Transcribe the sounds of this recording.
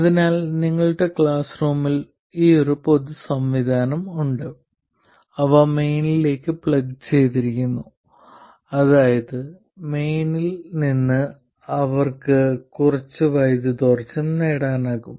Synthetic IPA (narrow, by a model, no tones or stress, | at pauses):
ɐðinaːlniŋːɐɭuɽe̞kɭaːsruːmil | iːo̞ɾupo̞d̪usɐmʋid̪ʱaːnɐmuɳɖɨ | ɐʋaːme̞jnile̞ːkːɨpɭɐɡt͡ɕe̞jt̪̬iɾikʲːunːu | ɐðaːjɐðɨ | me̞jnilninːɨ | ɐʋɐrkɨkurɐt͡ɕːɨʋɐjd̪ɨd̪ort͡ɕːumneːɽaːnaːɣum